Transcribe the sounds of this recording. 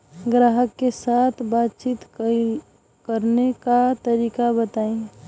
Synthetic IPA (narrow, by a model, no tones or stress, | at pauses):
ɡɾaːɦəkːesaːt̪ʰbaːt̪t͡ʃiːt̪ | kəɾnekat̪əɾiːkabət̪aːẽ